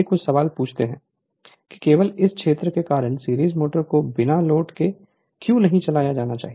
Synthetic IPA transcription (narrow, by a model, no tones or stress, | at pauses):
ekʊt͡ʃʰsɐʋaːlpuːt͡ʃʰt̪eɦɛ̃ː | ki̥keːʋəlɪskʰʃeːt̪ɾəkekaːɾəɳsiːɾiːzmoːʈəɾkobɪnaloːʈke | kjũːnɐɦĩt͡ʃɐlaːjad͡ʒaːnat͡ʃa̰ːɦi